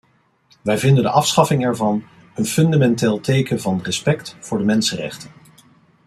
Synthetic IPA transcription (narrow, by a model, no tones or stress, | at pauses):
ʋɛjvɪndəndəʔɑfsχɑfɪŋɛɹvɑn | ənfɵndamɛnteːlˠtejkənvɑnrəspɛktfʊːɹdəmɛnsərɛ̰χtən